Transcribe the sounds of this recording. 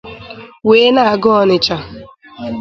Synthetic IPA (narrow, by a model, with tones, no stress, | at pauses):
weː˨˦na˦˨a˨ɡɔ˦ɔ˦nɪ˨t͡ʃa˨